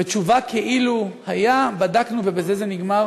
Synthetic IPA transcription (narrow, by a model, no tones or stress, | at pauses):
et͡ʃuvakʰeʔiluhajabadaknuve̞bezezeniɡmaʁ